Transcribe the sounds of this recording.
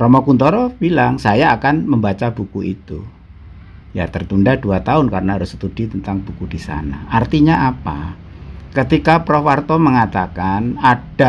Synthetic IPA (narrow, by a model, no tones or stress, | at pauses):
rɔmɔkunt̪ɔɾɔb̥ilaŋsajaːkanməmbat͡ʃab̥ukuʔḭt̪ṵ | jat̪ərt̪undaduat̪aʊnkaɾənaɦaɾʊsə̥t̪ud̥it̪ənt̪aŋb̥ukud̥isa̰na̰ʔart̪iɲaʔapa̰ | kət̪ikapɾɔfart̪ɔməŋat̪akanad̥a